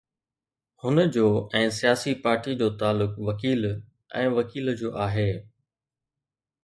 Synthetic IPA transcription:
hʊnəd͡ʑoːɛ̃ːsijaːsipaːɾʈid͡ʑoːt̪aːlʊkʋɐkiːl | ɛ̰̃ːʋɐkiːld͡ʑoːʔaːɦeː

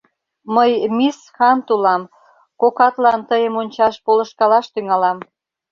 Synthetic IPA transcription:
məjmisxɑnt̪ulɑm | kokɑt̪lɑnt̪əjəmonʲt͡ɕɑʃpolə̆ʃkɑlɑʃt̪yŋɑlɑm

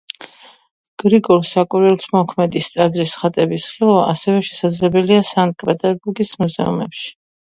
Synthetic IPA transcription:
ɡ̥ɾiɡʼɔlˠsakʼwiɾɛlˠsmɔkʰmɛd̪ist̪sʼad̪zɾisχat̪ʼɛbisχilˠva̰ːsɛvɛʃɛ̥sad̪zlɛbɛliasan̚kʼɾat̪ʼaɡuɡismuzɛ̰ṵmɛ̰pʃi̥

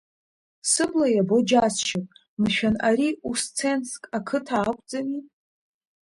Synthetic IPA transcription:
sɨblajabod͡ʒasʃɪkʼ | mɨʃᶣanaɾiust͡sʰenskʼakʰɨtʰaːkʷʼd͡zani

